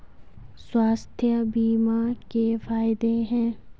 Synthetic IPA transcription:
swaːst̪ʰjəbiːmakefaːɪd̪eɦɛ̃ː

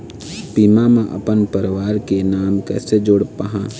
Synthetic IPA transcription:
piːmamẽʔə̰pənpəɾʋaːɾkenaːmkɛ̰ːsed͡ʒʊɽpaɦãː

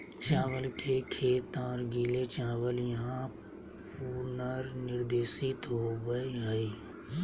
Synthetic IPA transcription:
t͡ʃãːʋəlkʰekʰeːt̪ãːɾɡiːlet͡ʃãːʋəljɐɦã | puːɾnəɾnɪɾd̪eːsit̪ɦobəiɦəi

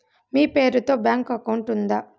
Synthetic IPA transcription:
miːpe̞ːɾut̪o̞ːbjaːŋkɐkɐwɳʈund̪aː

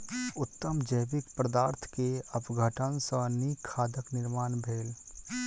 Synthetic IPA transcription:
ʊt̪ːəmd͡ʒəjbɪkpɾəd̪aːɾt̪ʰkeəpɡʱəʈənsə̃nikʰːaːd̪əknɪɾmaːnbʱeːl

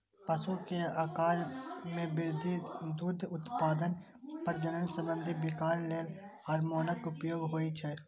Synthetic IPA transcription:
pɐsokiaːkaːɾmẽʋɪɾd̪ʱid̪uːd̪ʱʊt̪paːd̪ən | pəɾd͡ʒənənsə̃mbə̃nd̪ʱibɪkaːɾleːl | ɐːɾmoːnəkʊpjoːɡɦoːit͡ʃʰɛ

